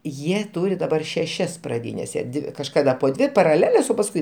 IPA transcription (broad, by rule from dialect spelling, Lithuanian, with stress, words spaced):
ˈjiɛ ˈtuːrʲɪ dɐˈbɐr ʃʲɛˈʃʲɛs prɐˈdʲiːnʲɛs jiɛ ˈdʲɪ kɐʃˈkɑːdɐ poː ˈdʲʋʲɪ pɐrɐˈlʲæːlʲɛs oː pɐs kʊɪ